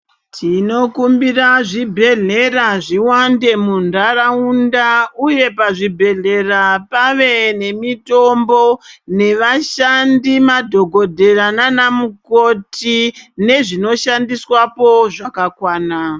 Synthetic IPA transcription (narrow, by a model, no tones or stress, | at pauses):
tʰino̞kumbiraʐibʱe̞ɮe̞raʐiwande̞mundaɾaundauje̞paʐibʱe̞ɮe̞rapaʋe̞ne̞mito̞mbo̞ne̞ʋaʃandimadʱo̞ɡʱo̞dʱe̞rananamuko̞tine̞ʐino̞ʃandiswapo̞ʐakakwaːna